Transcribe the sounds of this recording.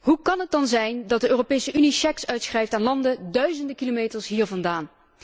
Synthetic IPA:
ɦukɑnɦət̚dɑnzɛjndɑt̚dəʔøːropeːjsəʔyniʃɛksœɥtsxrɛjftaːnlɑndədœɥzəndəkilomeːjtəɹsɦiːɹvɑndaːn

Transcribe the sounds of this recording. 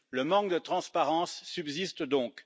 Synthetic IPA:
ləmɑ̃kd̪ət̪χɑ̃spaʁɑ̃sːybzist̪d̪ɔ̃k

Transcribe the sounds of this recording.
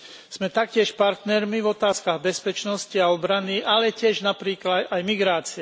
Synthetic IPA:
z̥mɛt̪akcɪɛʃpaɾt̪nɛɾmivɔt̪aːskaɣbɛspɛt͡ʃnɔsciaɔbɾaniʔalɛcɪɛʒnapɾiːklad̪ajmiɡɾaːt͡siɛ

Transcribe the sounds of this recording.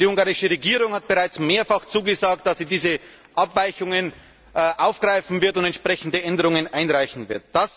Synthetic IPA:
d̥iːʊŋɡaʁɪʃəʁeɡiːʁʊŋhat̚b̥əʁaɪt͡smeːɐfaχt͡suːɡəzaːk̚t̚d̥asːiːdiːzə | ʔapvaɪçʊŋən | ʔʔaʊfɡ̥ʁaɪfn̩vɪɐtʊntɛntʃpʁ̥ɛçn̩dəʔɛndəʁʊŋənʔaɪnʁaɪçn̩vɪɐt̚d̥as

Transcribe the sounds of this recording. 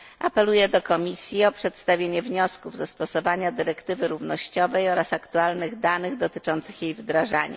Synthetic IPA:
ʔapɛlujɛd̪ɔkɔmʲisʲjiɔpʂɛt̪st̪avʲjeɲɛvɲɔskuvzast̪ɔsɔvaɲad̪ɘɾɛkt̪ɘvɘɾuvnɔɕt͡ɕɔvɛjɔɾasakt̪ualnɘɣd̪anɘɣd̪ɔt̪ɘt͡ʂɔnt̪sɘ̥xjejvd̪ɾaʐa̰ɲɛ̰

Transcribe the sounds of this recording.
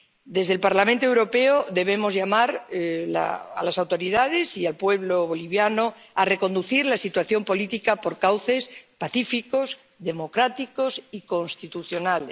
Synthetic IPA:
d̪e̞zð̞e̞lpaɾlamẽnt̪oe̞wɾo̞pe̞oðe̞β̞e̞mo̞zʝamaɾla̰a̰lasawt̪o̞ɾiðað̞e̞sialpwe̞βloβo̞liβjano̞ | are̞ko̞nd̪uθiɾlasit̪waθjo̞mpo̞lit̪ikapo̞ɾkawθe̞spaθifiko̞s | ðe̞mo̞kɾat̪iko̞siko̞nst̪it̪uθjo̞nal

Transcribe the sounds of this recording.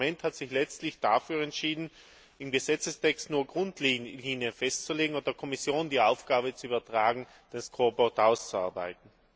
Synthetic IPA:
ɛnthatz̥ɪçlɛt͡stlɪçd̥afyːɐɛntʃiːdn̩ | ɪmɡəzɛt͡səstʰɛkstnuːɐɡʁʊntʰliiːnjəfɛstt͡suleːɡŋ̩ʊnt̚d̥eːɐkʰɔmɪsjoːndiːʔaʊfɡ̥aːβət͡suyːbɐtʁ̥aːɡŋ̩ | d̥ɛskʰʁoːbɔtaʊst͡suaɐba̰ɪtn̩

